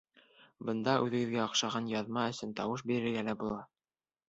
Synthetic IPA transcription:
bɤ̆nd̪ɑʔʉðɘ̆ɡɘ̆ðɡæɑqʃɑʁɑnjɑðmɑɵ̆sɘnt̪ɑwɤʃ̬biɾɘ̆ɾɡælæbulˠɑ

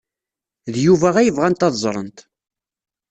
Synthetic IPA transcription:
ðjuvæʁæjəvʁænt̪ɑðzˤɾˤə̰nt̪

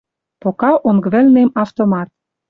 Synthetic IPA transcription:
pokɑʔoŋɡβɘ̆lnemɑft̪omɑt̪̚

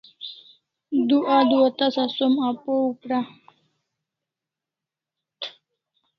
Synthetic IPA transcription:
d̪uʔad̪uat̪asasomapoupɾa

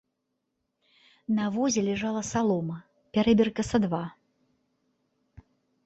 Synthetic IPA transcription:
nɐvɔzʲɛlʲɛʐalˠɐsalˠɔmɐ | pʲaɾɛbʲirkɐsɐd̪va

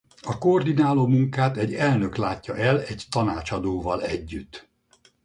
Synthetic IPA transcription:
ɒkoord̪inaːloːmuŋkaːt̪ɛɟːɛlnø̞klaːtːɒʔɛlɛɟt̪ɒnaːt͡ʃɒd̪oːvɒlɛɟːyt̪ː

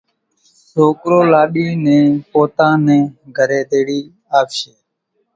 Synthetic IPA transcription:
soːkɾoːlaːɗiːnẽːpoːt̪ãːnẽːɡʱəɾeːd̪eːɽiː | aːpʃeː

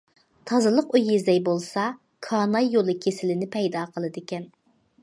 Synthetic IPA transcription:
t̪ʰɑzɨlˠəqujizd̪ɛjbolˠsɑ | kʰɑːnɑjːolˠɨkʲʰesɪlɪnɪpʰɛjd̪ɑːqʰəlˠɨd̪ɪkʲɛn

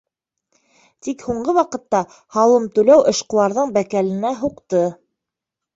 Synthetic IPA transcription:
t̪ikhuɴɢɤwɑqɤ̆t̪ːɑ | hɑlˠɤmt̪ʉlæwʔɤ̆ʃqɤ̆lˠɑɾðɤɴbækælɘ̆næɦuqt̪ɤ

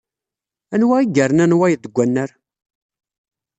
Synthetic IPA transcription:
ænwæiɡəɾənænwæjðəɡʷænːəɾ

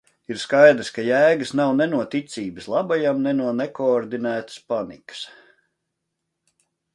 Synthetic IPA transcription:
iɾskajd̪ɾskajæːɡəsnawnɛnuɔt̪it̪sʲiːbəslˠabajamnɛnuɔnɛkoːɾd̪inæːt̪ə̥spanḭkə̥s

